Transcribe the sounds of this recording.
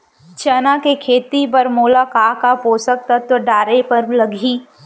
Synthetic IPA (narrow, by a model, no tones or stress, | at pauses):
d͡ʒɐnakekʰeːt̪ipɐɾmuːlakaːɦkapoːsək̚t̪ɐt̪ːɖaːɾepɐɾlɐɡʱiː